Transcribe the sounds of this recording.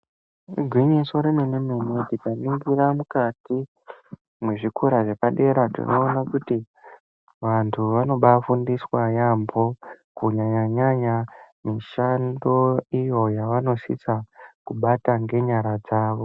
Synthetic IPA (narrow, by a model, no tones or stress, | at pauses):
rɡʱwiɲisoɾenenememititaniŋɡiramukati | muʐikʰuɾaʐe̞paɗe̞ɾatḭno̞̰ːnakuti | ʋantʰuʋano̞ɓafundiswajambo̞kuɲaɲaɲaɲa | miʃando̞ijo̞jaʋano̞sḭt͡sakuɓataŋɡe̞ɲaɾad͡zaːʋo̞